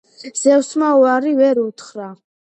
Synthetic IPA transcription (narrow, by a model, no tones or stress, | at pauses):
z̥ɛwsmauaɾivɛɾut̪ʰχɾa